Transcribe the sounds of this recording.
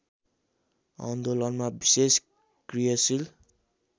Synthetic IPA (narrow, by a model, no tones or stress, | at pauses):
a̰nd̪olʌnmabises | krijʌsil